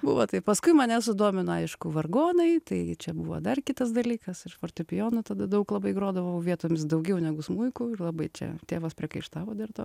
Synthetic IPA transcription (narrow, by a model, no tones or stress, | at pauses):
buʋot̪ɐɪpɐskʊɪmɐnʲɛsʊd̪oːmʲɪnɐɐɪʃkʊʋɐrɡoːnɐɪt̪ɐɪt͡ʃʲɛbuʋo̰d̪ɐrkʲɪt̪ɐsd̪ɐlʲiːkɐsɪʃfoːrʲt̪ʲʊpʲɪjoːnʊt̪ɐd̪ɐd̪ɐʊklˠɐbɐɪɡɾoːd̪ɐʋɐʊʋʲiɛt̪oːmʲɪsd̪ɐʊɡʲɛʊnʲɛɡʊsmuɪkʊɪlˠɐbɐɪt͡ʃʲɛ̰t̪ʲeːʋɐspʲɾʲɪkɐɪʃt̪ɑːʋoːd̪ʲɐrt̪oː